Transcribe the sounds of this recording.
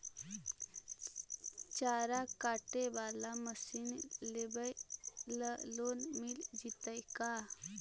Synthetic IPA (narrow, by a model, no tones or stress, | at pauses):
t͡ʃaɾakaʈebalaməsinlebəjləlonmild͡ʑit̪əjka